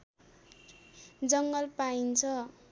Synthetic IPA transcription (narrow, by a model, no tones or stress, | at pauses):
d͡zʌŋɡʌlpaint͡sʰʌ